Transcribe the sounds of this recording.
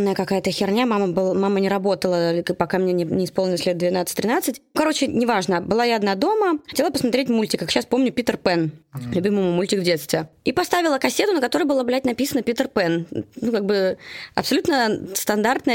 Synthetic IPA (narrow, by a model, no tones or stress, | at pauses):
mnəjəkɐkajət̪əxʲɪrnʲamaməbɨlˠmamənʲɪɾɐbo̞t̪əlˠəpɐkamnʲenʲɪnʲɪɪsponɪlˠəsʲlʲet̪d̪vʲɪnat̪sɨtʲt̪ʲːɾʲɪnat̪sɨtʲkɐɾot͡ɕɪnʲɪvaʐnəbɨlˠajaɐd̪nad̪o̞məxɐtʲelˠəpəsmɐt̪ɾetʲmulʲtʲɪkːakɕaspo̞mnʲʊpʲit̪ərpɛnlʲʉbʲimɨjmumulʲtʲɪkvdʲe̞t̪st̪vʲɪipɐst̪avʲɪlˠəkɐsʲːet̪ʊnəkɐt̪o̞ɾɨjbɨlˠablʲæt̚ʲnɐpʲisənəpʲit̪ərpɛnnukaɡ̚bɨɐ̰psɐlʲut̪nəst̪ɐnd̪art̪nəj